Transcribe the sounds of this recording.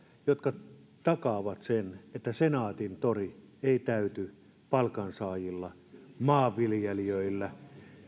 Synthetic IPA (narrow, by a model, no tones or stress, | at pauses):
jot̪kɑ | t̪ɑkɑʋɑt̪senet̪ːæsenɑːt̪int̪ori | eˑit̪æyt̪y | pɑlkɑnsɑːjilːɑ | mɑːʋːiljeliøˑilːæ